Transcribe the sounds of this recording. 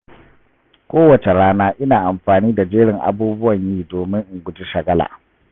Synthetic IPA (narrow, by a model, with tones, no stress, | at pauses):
kʷoː˦wɐ˨t͡ʃe˨ɽaː˦naː˦ʔɪ˦naː˨ʔa˨mɸaː˨niː˦da˨d͡ʒeː˦ɽɪ˨ŋʔa̰˨buː˦bʊ˦wɐ˨ɲjiː˦doː˨mɪ˦ŋʔɪ˨ŋɡʷʊ˨di˦ʃɐ˨ɡɐ˦la̰ː˨